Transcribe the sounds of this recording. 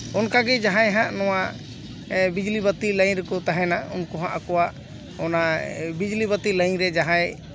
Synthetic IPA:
ɔnkaɡɛd͡ʒaɦãjɦãʔnɔwa | bid͡ʒlibət̪iləɲɾɛkɔt̪aɦɛnaṵnkɔɦãʔakɔwaʔ | ɔnabid͡ʒlibət̪iləɲɾɛd͡ʒaɦãj

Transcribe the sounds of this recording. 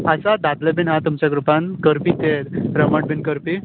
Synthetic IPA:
əsad̪ad̪ləbinɦãt̪umt͡ɕaɡɾupankəɾpit̪eɾɾəməʈbinkəɾpi

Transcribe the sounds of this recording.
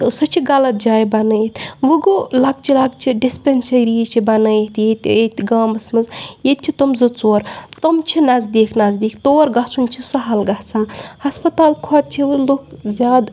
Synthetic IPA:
sɐt͡ʃʰiɡɐlɐt̪̚d͡ʒaːjbɐnəjet̪ʰʋuɡulaɡ̚t͡ʃʰilaɡt͡ʃʰiɖispʲensɐɾiːt͡ʃʰibɐnəjet̪jet̪et̪ʲɡaːmɐsmɐzjet̪̚t͡ʃʰit̪omzɐt͡soːɾt̪omt͡ʃʰinɐzd̪eːkʰnazd̪eːkʰt̪oːɾɡasunʲt͡ʃʰisɐɦɐlɡaht͡sãːhɐspɐt̪aːlkʰɔt̪̚t͡ʃʰiloːkzʲjaːd̪

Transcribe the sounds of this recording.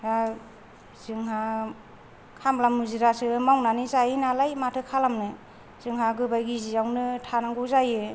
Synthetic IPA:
ja | z̥ɯŋɦa | kʰamlamɯziɾasɯmawnanizajinalajmatʰɯkʰalamnɯ | z̥ɯŋɦaɡɯbajɡizijawnɯtʰanaŋɡɯzajɯ

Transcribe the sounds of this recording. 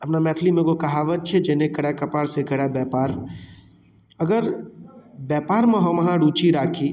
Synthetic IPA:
əpnamɛːt̪ʰlimẽɡokɐɦaʋət͡ʃʰed͡ʒeːnekəɽjakɐpaːɾsekəɽjabɛːpaːɾ | əɡəɾ | bɛːpaːɾmə̃ɦəmɦãɽuːt͡ʃiɾaːkʰi

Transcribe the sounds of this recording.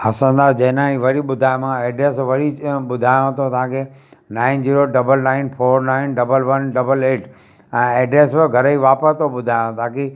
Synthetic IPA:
ɐsə̃nd̪aːd͡ʑɐ̃ɦɪnãiʋɐɾiɓʊd̪ʱaːjmãeːɖɾeːsʋɐɾiɓʊd̪ʱaːjõt̪ʰot̪ɐãkʰenaːɪnd͡ʑiːɾoɖɐbəlnaːɪnpʰoːɾnaːɪnɖɐbəlʋɐnɖɐbəleːʈ | ɛ̃ːɛːɖɾeːsʋɪɡʱɐɾəiʋaːpəst̪ʰoɓʊd̪ʱaːjõt̪ãːke

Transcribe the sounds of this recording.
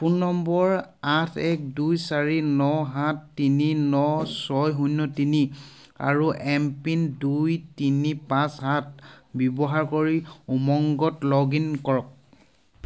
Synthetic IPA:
punːɔmbɔɹatʰɛk̚dujsaɹinɔɦatːininɔsɔjɦunːɔtini | a̰ɹuʔɛmpindujtinipãsɦãt̚ʰbjɔbɔɦaɹkoɹiumɔŋɡɔtlɔɡinkɔɹɔk̚

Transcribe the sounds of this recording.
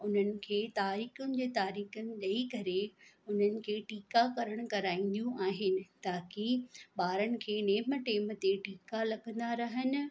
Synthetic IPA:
ʊn̤ənɪ̆kʰeːt̪aːɾiːxʊnɪ̆d͡ʑeːt̪aːɾiːxənɪ̆ɗɐikɐɾeʊn̤ənɪ̆kʰeːʈiːkakɐɾəɽ̃kɐɾaːĩn̆d̪ijũʔaːɦɪnɪ̆t̪aːkiɓaːɾənɪ̆kʰeːneːməʈeːmt̪eʈiːkalɐɠə̃n̆d̪aɾɐɦənɪ̆

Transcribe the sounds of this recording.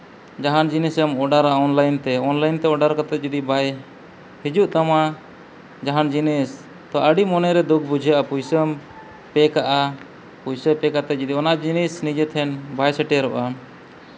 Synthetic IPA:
d͡ʒaɦand͡ʒinisəmɔɖaɾaɔnlajnt̪ɛɔnlajnt̪ɛɔɖaɾkat̪ɛt̪̚d͡ʒɔd̪ibaj | hid͡ʒuʔt̪ama | d͡ʒaɦand͡ʒinis | t̪ɔaʔəɖimɔnɛɾɛd̪uk̚ʰbud͡ʒʱjaʔapujsəm | pɛkaʔa | pujsəpɛkat̪ɛt̪̚d͡ʒid̪iɔnaʔd͡ʒinisnid͡ʒɛt̪ʰɛnbajsəʈɛɾɔʔa

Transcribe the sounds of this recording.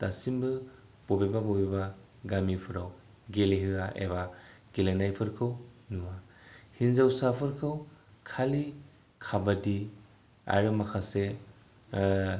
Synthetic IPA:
tasimbɯ | b̥obebabobiba | ɡamipʰɯɾaw | ɡeleɦɯaʔḛβaɡ̥elenajpʰɯɾkʰɯwnuwahinzawsapʰɯɾkʰɯwkʰali | kʰabadi | a̰ɾɯmakʰase

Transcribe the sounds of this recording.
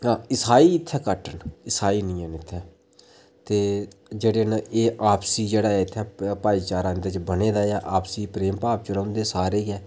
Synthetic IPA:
ãːɪsaːiːɪt̪ʰːɛːkəʈənɪsaːiːnĩːəːnɪt̪ʰːɛː | t̪eːd͡ʒeːɽeːnʔeːʔaːpsiːd͡ʒeːɽaːɛːɪt̪ʰːɛːpaːiːt͡ʃaːɾãːnd̪et͡ʃbəneːd̪aːaːʔaːpsiːpɾeːmpaːp̚t͡ʃəɾãːnd̪eːsaːɾeːɛː

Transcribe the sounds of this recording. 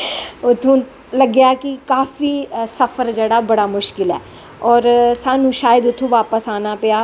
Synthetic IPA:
ʊt̪ʰːõː | ləɡjaːkɪkaːfiːsəfʰəɾd͡ʒeːɽaːbəɽaːmʊʃkɪlɛ̰ː | ɔːɾsaːnũːʃaːjəd̪ʊt̪ʰːũːʋaːpəsaːnaːpɪjaː

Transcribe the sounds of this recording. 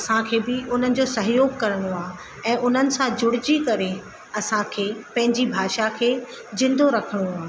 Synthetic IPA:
ɐsãkʰeːbɪʊn̤ənɪ̆d͡ʑoːsɐɦjoːɡkɐɾəɽ̃oaːɦ | ɛ̃ːʔʊn̤ənɪ̆sãd͡ʑʊɽ̤ɪd͡ʑikɐɾe | ɐsãkʰeːpɐ̃ɦɪ̃ɲd͡ʑibʱaːʃakʰeː | zɪ̃nd̪oɾɐkʰəɽ̃oaː

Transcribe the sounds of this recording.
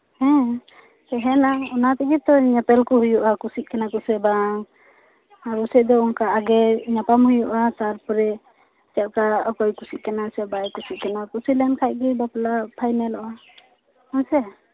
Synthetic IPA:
hɛ̃ | sɛɦɛnaɔnat̪ikit̪ɔɲapɛlkɔɦujuʔakusic̚kanakɔsɛbaŋ | aɾɔsɛʔd̪ɔɔnkaʔːɡɛɲapamhujuʔasaɾpɔɾɛ | t͡ʃɛʔ̚kaɔkɔjkusiʔ̚kanasɛbajkusiʔ̚kanakusilɛnkʰaj̚ɡɛbaplapʰajnɛlɔʔa | ɔnsɛ

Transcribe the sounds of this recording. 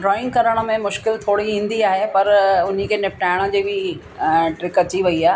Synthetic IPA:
ɖɾɔːɪ̃ŋɡkɐɾəɽ̃ə̆mẽmʊʃkɪlt̪ʰoːɽiĩːn̆d̪iaːɦepɐɾʊn̤ikʰeːnɪfʈaːɪɽ̃ə̆d͡ʑiːbʱɪ | ʈɾɪkɐt͡ɕiʋɐiaː

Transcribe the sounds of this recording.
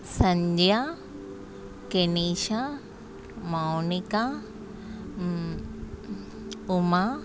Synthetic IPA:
sɐ̃ɲd͡ʑja | keniːʃa | mawnɪka | ʊma

